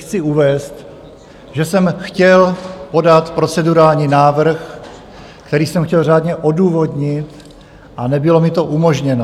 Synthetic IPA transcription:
xt͡sɪuvɛːst̪ | ʒɛsɛmxcɛlpo̞dat̪pɾo̞t͡sɛduɾaːlɲiːnaːvr̩x | kt̪ɛɾiːsɛmxcɛlr̝aːdɲɛʔo̞duːvo̞dɲɪt̪ | ʔanɛbɪlo̞mɪt̪o̞ʔumo̞ʒɲɛno

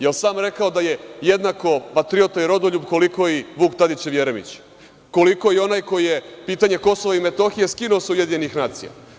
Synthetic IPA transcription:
jelsaːmɾe̞kao̞d̪aje̞jed̪nako̞pat̪ɾiot̪aiɾo̞d̪oʎubko̞liko̞iʋuːkt̪ad̪it͡ɕeʋjeɾemḭt͡ɕ | ko̞liko̞jeo̞naːjko̞jije̞piːt̪aɲe̞ko̞soʋaime̞t̪o̞xijeskinuoseuje̞d̪iɲenixnaːt̪sḭja̰

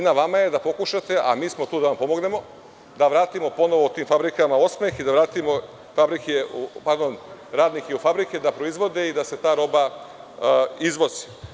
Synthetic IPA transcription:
naʋamaje̞d̪apo̞kuʃat̪e̞ʔa̰miːsmot̪uːd̪anampo̞mo̞ɡne̞mo̞ | d̪aʋɾaːt̪imo̞po̞noʋo̞ot̪iːmfabɾikamao̞smexid̪aʋɾaːt̪imo̞ | fabɾikeupaɾd̪o̞nɾaːd̪nikjeufabɾiked̪apɾo̞izʋo̞d̪e̞id̪ase̞t̪aːɾo̞ba | izʋo̞zi

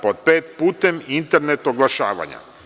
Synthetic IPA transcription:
pod̪̚peːt̪̚puːt̪e̞mint̪eɾnet̪oɡlˠaʃaːʋa̰ɲa̰

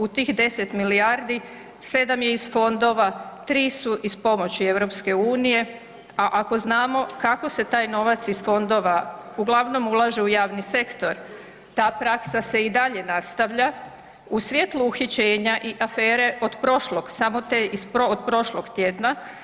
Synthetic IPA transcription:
ut̪iːxd̪e̞se̞t̪miliaɾd̪i | se̞d̪amjeisfo̞nd̪o̞ʋat̪ɾiːsuʔispo̞mo̞t͡ɕie̞ʋɾo̞pske̞uːnije̞ | aʔako̞znaːmo̞kako̞se̞t̪aːjno̞ʋat̪sisfo̞nd̪o̞ːʋauɡlˠaʋno̞mulˠaːʒeujaːʋnise̞kt̪o̞ɾ | t̪aːpɾaksase̞id̪aʎe̞nast̪aʋʎa | usʋjet̪luːxit͡ɕeːɲaʔiʔafe̞ːɾe̞ʔo̞d̪pɾo̞ʃloɡ̥samo̞t̪eispood̪pɾo̞ʃlo̞ɡt̪jed̪na

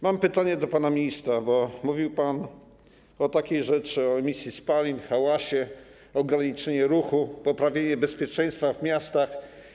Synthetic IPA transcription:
mampɘt̪aɲɛd̪ɔpanamʲiɲist̪ɾabɔmuvʲiwpan | ɔt̪akʲejʐɛt͡ʂɘɔɛmʲisʲjispalʲimxawaɕɛ | ɔɡɾaɲit͡ʂɛɲɛɾuxupɔpɾavʲjeɲɛbɛspʲjɛt͡ʂɛ̃j̃st̪favmʲjast̪ax

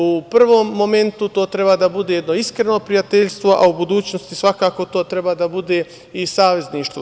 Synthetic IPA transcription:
upr̩ʋo̞ːmːo̞me̞nt̪ut̪o̞ːt̪ɾe̞baːd̪abud̪eje̞d̪no̞iskɾe̞no̞pɾijat̪eʎʲst̪ʋoʔa̰ubud̪uːt͡ɕnost̪isʋakaːko̞t̪o̞ːt̪ɾe̞baːd̪abud̪eː | isaːʋe̞zniːʃt̪ʋo

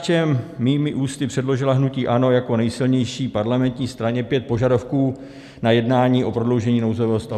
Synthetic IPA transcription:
t͡ʃɛmːiːmɪʔuːst̪ɪpr̝̥ɛdlo̞ʒɪlaɦnuciːʔano̞jako̞nɛjsɪlɲɛjʃiːpaɾlamɛnt̪ɲiːst̪ɾaɲɛpjɛt̪̚po̞ʒadofkuː | najɛdnaːɲiːʔo̞pɾodlo̞wʒɛɲiːnowzo̞vɛːɦost̪a

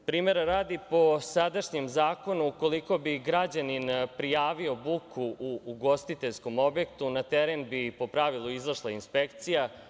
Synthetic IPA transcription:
pɾiːme̞ɾaɾaːd̪ipo̞sad̪aʃɲemzaːko̞nuːko̞liko̞biɡɾad͡ʑaninpɾijaːʋio̞bukʰuuːɡo̞st̪it̪eʎsko̞mo̞bje̞kt̪unat̪eɾenbipo̞pɾaʋilˠuizaʃlˠainspe̞kt̪sija

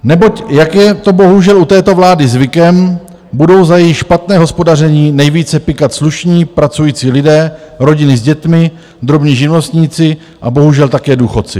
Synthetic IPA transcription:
nɛbo̞cjakjɛt̪o̞bo̞ɦuʒɛlut̪ɛːt̪o̞vlaːdɪzvɪkɛm | budo̞wzajɛjɪxʃpat̪nɛːɦospo̞dar̝ɛɲiːnɛjviːt͡sɛpɪkat̪sluʃɲiːpɾat͡sujiːt͡siːlɪdɛːɾo̞ɟɪnɪzɟɛt̪mɪ | d̪ɾo̞bɲiːʒɪnlost̪ɲiːt͡sɪ | ʔabo̞ɦuʒɛlt̪akɛːduːxo̞t̪t͡sɪ̰

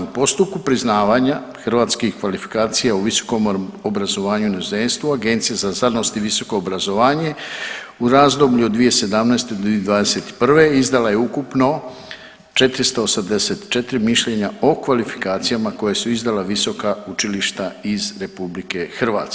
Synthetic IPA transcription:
upo̞st̪up̚kupɾiznaːʋaɲa | xr̩ʋaːt̪skixkʋalifi̥kaːt̪sijauʋiso̥ko̞mobɾazo̞ʋaːɲunauze̞nst̪ʋuaɡe̞nt̪sijazazano̞st̪iʋiso̞ko̞ːbɾazo̞ʋaːɲe̞ | uɾaːzd̪o̞bʎʲuod̪d̪ʋije̞se̞d̪amnajst̪e̞d̪od̪ʋaːd̪e̞se̞t̪i̥pr̩ʋe̞izd̪alaje̞ukupno̞ | t͡ʃe̞t̪ɾist̪oosamd̪e̞se̞t̪t͡ʃe̞t̪ɾimiʃʎe̞ɲao̞kʋalifi̥kaːt̪sijamako̞jesuizd̪alaʋiso̞kaut͡ʃiliʃt̪aizɾe̞publike̞xr̩ʋa̰ːt̪s

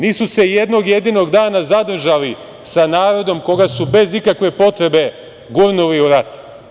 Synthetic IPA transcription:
niːsuse̞jed̪no̞ɡje̞d̪ino̞ɡd̪aːnazad̪r̩ʒali | sanaːɾo̞d̪o̞mko̞ɡasube̞zikakʋe̞po̞t̪ɾe̞be̞ | ɡuɾnuliuɾat̪

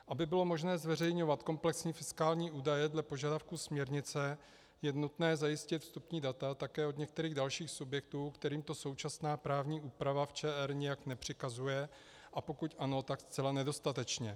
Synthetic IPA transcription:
ʔabɪbɪlo̞mo̞ʒnɛːzvɛrɛjɲo̞vat̪ko̞mplɛksɲiːfɪskaːlɲiːʔuːdajɛdlɛpo̞ʒadafkusmɲɛɾɲɪt͡sɛ | jɛnut̪nɛːzajɪscɪt̪fst̪upɲiːdat̪at̪akɛːodɲɛk̚t̪ɛɾiːɣdalʃiːxsubjɛk̚t̪uːkt̪ɛɾiːmt̪o̞so̞wt͡ʃasnaːpɾaːvɲiːʔuːpɾavaft͡ʃɛːʔɛɾɲɪjaknɛpr̝̥ɪkazujɛ | ʔapo̞kucʔano̞t̪akst͡sɛlanɛdo̞st̪at̪ɛt͡ʃɲɛ

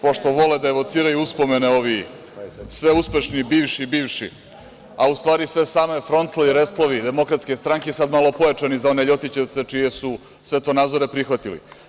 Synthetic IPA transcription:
poʃt̪oʋo̞led̪aeʋo̞t̪siːɾajuuspo̞me̞neo̞ʋi | sʋe̞uspe̞ʃnibiːʋʃibiːʋʃḭ | aust̪ʋaːɾisʋe̞saːme̞fɾo̞nt̪slˠoiɾest̪lˠoʋid̪e̞mo̞kɾat̪ske̞st̪ɾaŋkesad̪malo̞pojat͡ʃanizao̞ne̞ʎo̞t̪it͡ɕe̞ʋt̪se̞t͡ʃije̞su | sʋe̞t̪o̞naːd̪zoɾe̞pɾixʋat̪ilḭ

